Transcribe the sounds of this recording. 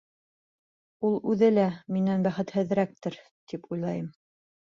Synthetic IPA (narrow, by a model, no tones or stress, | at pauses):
ulˠʉðɘlæminænbæχɘt̪hɘ̆ð̆ɾæk̚t̪ɘɾ | t̪ipʰujlˠɑjɤm